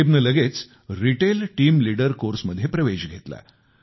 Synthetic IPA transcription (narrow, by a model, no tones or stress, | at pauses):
ebnələɡet͡s | ɾiʈelʈiːmliɽəɾkoɾsməd̪ʱːjepɾəʋed͡ʑɡʱet̪la̰